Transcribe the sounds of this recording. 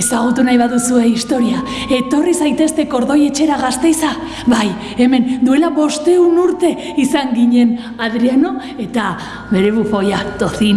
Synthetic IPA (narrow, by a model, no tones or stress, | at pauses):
esaɣut̪unajβaðusue̞ist̪o̞ɾia | e̞t̪o̞risajt̪e̞st̪e̞ko̞ɾðo̞je̞t͡ʃe̞ɾaɣast̪e̞jsa | βaj | e̞me̞nd̪ue̞laβo̞st̪e̞unuɾt̪e̞ | isaŋɡiɲe̞n | aðɾiano̞ | e̞t̪a | βe̞ɾe̞βufo̞jat̪o̞θi